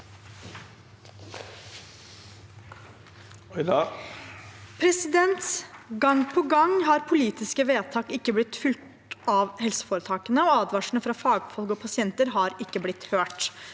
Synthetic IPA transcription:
pʰɾɛsɪd̪ɛnt̪sɡɑŋpʰɔɡɑŋɦɑɾpʰʊliːt̪ɪskəʋeːt̪ʰɑːkɪkːəblɪt̪fʏlt̪ | ɑʋhɛlsə̥foːɾət̪ʰɑːkənəɔɑːd̪ʋɑʂɳ̩əfɾɑfɑːɡfɔlɡɔpʰɑsɪɛnt̪əɾɦɑɾɪkːəblɪt̪høːʈ

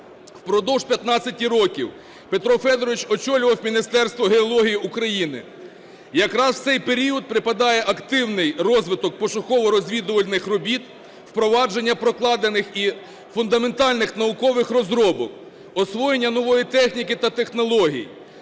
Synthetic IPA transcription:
wpɾɔd̪ɔwʒpʲjɐt̪nɑt͡sʲɐtʲiɾɔkʲiw | pe̞t̪ɾɔfɛd̪ɔɾɔʋɪt͡ʃɔt͡ʃɔlʲʊʋɐwmʲinɪst̪ɛrst̪ʋɔɦeɔlˠɔɦʲijiukɾɐjinɪ̰ | jɐkɾɑsw̥t̪sɛjpeɾʲiɔd̪̚pɾɪpɐd̪ɑjɛʔɐkt̪ɪwnɪjrɔzʋɪt̪ɔk̚pɔʃʊxɔʋɔɾɔzʲʋʲid̪ʊʋɐlʲnɪxrɔbʲit̪ | wpɾɔʋɑd͡ʒe̞nʲːɐpɾɔklˠɑd̪enɪxi | fʊnd̪ɐme̞nt̪ɑlʲnɪxnɐʊkɔʋɪxrɔzɾɔbɔk̚ | ɔsʋɔjenʲːɐnɔʋɔjit̪ɛxnʲikɪt̪ɐt̪exnɔlˠɔɦʲḭjḭ

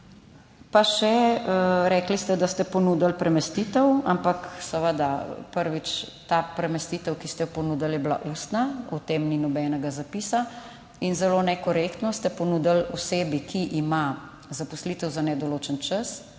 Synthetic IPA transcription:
paʃɛ | ɾɛːklist̪ɛd̪ast̪ɛpɔnud̪əlpɾʔɛmɛst̪it̪ɛwampaksɛʋəd̪apəɾʋit͡ʃt̪apɾɛmɛst̪it̪ɛwkist̪ɛpɔnuːd̪aljɛbla̰ʔuːst̪naɔt̪eːmninɔbɛːnɛɡazapiːsa | inzɛloːnɛkɔɾekt̪nɔst̪ɛpɔnud̪əlɔseːbikʰiʔima | zapɔslit̪əwzanɛd̪ɔloːt͡ʃənt͡ʃəs

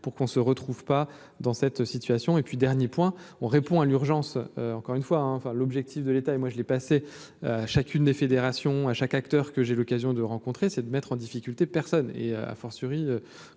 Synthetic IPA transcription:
puʁkɔ̃səʁət̪χuvpa | d̪ɑ̃sɛt̪sit̪ɥasjɔ̃epɥid̪ɛʁnjepwɛ̃ɔ̃ʁepɔ̃alyʁʒɑ̃søɑ̃kɔʁynfwaɛ̃ɑ̃fɛ̃lɔbʒɛk̚t̪ifd̪əlet̪aemwaʒəlɛpase | aʃakʲynd̪efed̪eʁasjɔ̃aʃakak̚t̪œʁkəʒelɔkazjɔ̃d̪əʁɑ̃kɔ̃t̪χesɛd̪əmɛt̪χɑ̃d̪ifikʲylt̪epɛʁsɔnḛøa̰fɔʁsyʁiø

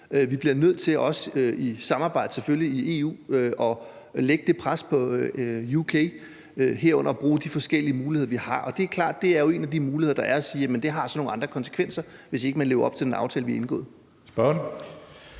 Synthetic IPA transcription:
øʋib̥liɐnøð̞̰ˠt͡sʰe̝lʔɒ̽søisɑ̈mɑ̈ːb̥ɑ̈ɪ̰d̥əseføljiie̝ṵːøʔɒ̽ | leɡ̥əd̥e̝pʰʁaspʰɒ̽jukʰe | ɦeɐ̰ɔ̽nɐɒb̥ʁuːd̥ifɒ̽sɡ̥el̰iəmuːliheðˠʋihɑ̈ʔɒ̽d̥e̝æɐkʰlɑ̰̈ːd̥̚ːe̝æɐjo̝e̝næd̥imuːlieðˠɐd̥ɑ̈ʔæɐæsiːjæmənd̥e̝ɦɑ̈sɒ̽no̝ːŋ̩ɑ̈nd̥ʁɐkʰɒ̽nsə̥kʰʋen̰sɐʋe̝se̝ɡ̥əmænle̝ːʊɐɒ̽b̥t͡sʰe̝d̥enɑ̈ʊt͡sʰɛ̰ːləʋiɐe̝nɡ̥ɔ̰̽ːðˠ | sb̥ɶn

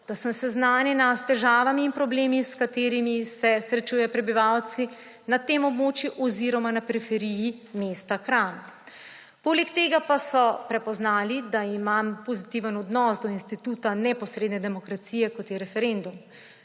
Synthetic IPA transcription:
d̪̥asəmsɛznaːnjɛnast̪ɛʒaːʋamiːnpɾɔbleːmiskat̪eːɾimisɛsɾɛt͡ʃuːjɛpɾɛbiʋawt̪si | nat̪emɔbmoːt͡ʃjuʔɔziːɾɔmanapɛɾifɛɾiːjimeːst̪akɾan | poːlɛkt̪eːɡapasɔpɾɛpɔznaːlid̪aimampozit̪iʋənɔd̪nɔːsd̪ɔinst̪it̪uːt̪anɛpɔsɾeːd̪nɛd̪ɛmɔkɾat̪sijɛkɔt̪jɛɾɛfɛɾend̪um

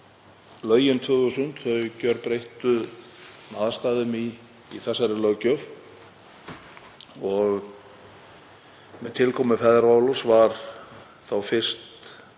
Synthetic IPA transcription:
lœːɥjɪnt̪ʰʏɣʏsʏnt̪θœɥcœɾpɾejht̪ʏ | naːðast̪aːðʏmiː | θɛsːaɾɪlœɥɣcœv | ɔɣ | mɛðt̪ʰɪlkʰɔːmɪfɛðɾvaːlɔsvaɾ | θawfɪr̥st̪

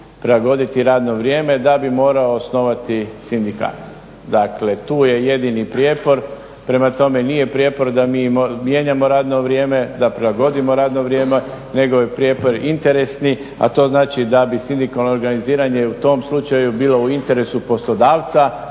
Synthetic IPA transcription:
pɾelaɡo̞d̪it̪iɾaːd̪no̞ʋɾje̞ːme̞d̪abimo̞ːɾaoːsno̞ʋat̪isind̪ika̰ːt̪ | d̪akle̞t̪uːje̞je̞d̪inipɾjeːpo̞ɾ | pɾe̞mat̪o̞me̞niːje̞pɾjeːpo̞ɾd̪amiːmomje̞ɲamo̞ɾaːd̪no̞ʋɾje̞ːme̞d̪apɾelˠaɡo̞d̪imo̞ɾaːd̪no̞ʋɾje̞ːme | ne̞ɡo̞jepɾje̞ːpo̞ɾint̪e̞ɾe̞sni | a̰t̪o̞ːznaːt͡ʃid̪abisind̪ikalˠnoːɾɡaniziːɾaɲe̞ut̪o̞ːmslˠut͡ʃajubiːlo̞uint̪e̞ɾe̞supo̞slo̞d̪aːʋt̪sa

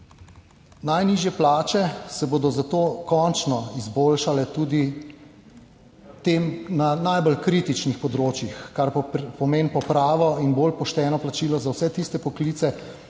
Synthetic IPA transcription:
najniːʒjɛplaːt͡ʃɛsɛboːd̪ɔzat̪oːkɔnt͡ʃnɔizboːlʃalɛt̪uːd̪i | t̪eːmnanajbɔlkɾit̪it͡ʃnixpɔd̪ɾoːt͡ʃjixkaɾpɔpɔmeːnpɔpɾaːʋɔinboːlpɔʃt̪ɛːnɔplat͡ʃiːlɔzawsɛt̪ist̪ɛpɔkliːt̪sɛ

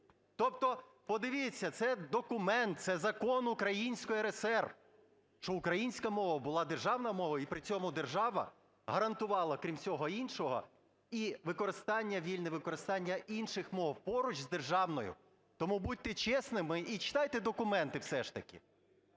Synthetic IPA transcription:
t̪ɔp̚t̪ɔ | pɔd̪ɪʋʲit͡sʲːɐt̪sɛd̪ɔkʊmɛnt̪̚t̪sɛzɐkɔnʊkɾɐjinʲsʲkɔjiɾesɛrʋ | ʃt͡ʃɔʊkɾɐjinʲsʲkɐmɔʋɐbʊlˠɑd̪erʒɑwnɐmɔʋɐipɾɪt͡sʲɔmʊd̪erʒɑʋɐ̰ | ɦɐɾɐnt̪ʊʋɑlˠɐkɾʲimt͡sʲɔɦɔinʃɔɦɔ̰ | iʋɪkɔɾɪst̪ɑnʲːɐʋʲilʲnɪʋɪkɔɾɪst̪ɑnʲːɐinʃɪxmɔwpɔɾʊt͡ʃʲzd̪erʒɑwnɔjʊ̰ | t̪ɔmubud̪̚ʲt̪ɛt͡ʃɛsnɪmɪʔit͡ʃɪ̥t̪ɑjt̪ɛd̪ɔkʊmɛnt̪ɪwsɛʃt̪ɐkʲɪ̰

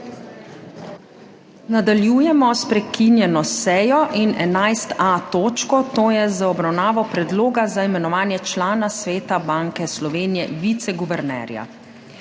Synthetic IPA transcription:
nad̪aljuːjɛmɔspɾɛkinjɛnɔsɛːjɔʔinɛnajst̪at̪oːt͡ʃkɔt̪oːjɛzaɔbɾawnaːʋɔpɾɛd̪loːɡazaimɛnɔʋaːnjɛt͡ʃlaːnasʋeːt̪abaŋkɛslɔʋeːnijɛʋit̪sɛɡuʋɛɾnɛ̰ːɾja̰

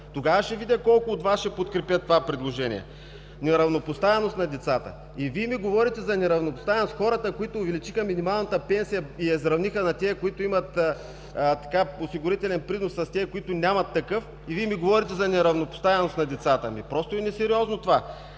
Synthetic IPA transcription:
t̪oɡavəʃɛvid̪ʲɐkɔlˠkʊːt̪vasʃɛpot̪kɾɛpʲjət̪ovapɾid̪lˠoʒɛnḭjɛ̰ | nɛɾɐvnopʊst̪avɛnost̪nɐd̪ɛt̪sat̪ə̰ | iviɛmiɡovɔɾit̪ɛzɐnɛɾɐvnopʊst̪avɛnost̪xɔɾət̪əkoit̪oːvɛlit͡ʃixɐminimalˠnɐt̪əpɛnsijɐiɛzɾɐvnixənɐt̪ɛːkoit̪ʊimɐt̪ː | t̪ɐ̥kaosiɡʊɾit̪ɛlʲɛnpɾinosːɐst̪ɛːkoit̪ʊnʲamɐt̪ːɐkɤf | iviɛmiɡovɔɾit̪ɛzɐnɛɾɐvnopʊ̥st̪avɛnosnɐd̪ɛt̪sat̪əmipɾɔst̪oɛnɛsɛɾiɔznot̪ova

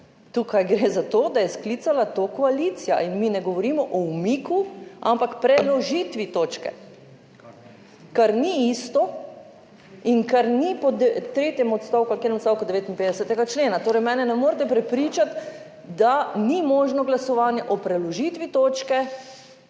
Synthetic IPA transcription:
t̪ukajɡɾezat̪oːd̪ajɛsklit̪salat̪oːkɔalit̪sija̰inminɛɡɔʋɔɾiːmɔʔɔumiːkʰua̰mpakpɾɛlɔʒit̪ʋit̪oːt͡ʃkɛ̰ | kaɾniist̪ɔ | iŋkaɾnipɔd̪t̪ɾeːt̪jɛmɔt̪st̪aːwkukeːnɛmot̪st̪awkɔd̪ɛʋeːt̪inpeːd̪ɛsɛt̪ɛɡat͡ʃleːnat̪oːɾɛjmɛːnɛnɛmoːɾt̪ɛpɾɛpɾiːt͡ʃat̪ | d̪animoːʒnɔɡlasɔʋaːnjɛʔɔpɾɛlɔʒit̪ʋit̪oːt͡ʃkɛ

